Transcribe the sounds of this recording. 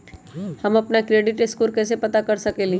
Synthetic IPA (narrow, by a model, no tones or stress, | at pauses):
hɐmɐpnakɾeːɖɪʈɪskuːlkɛːs̬epɐt̪akɐɾsɐkeli